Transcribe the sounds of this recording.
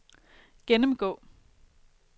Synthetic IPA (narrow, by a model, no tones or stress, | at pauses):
ɡ̥enəmɡ̥ɔ̰̽ː